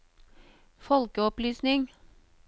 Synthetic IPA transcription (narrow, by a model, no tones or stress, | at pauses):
fɔlkəɔplyːsnɪŋ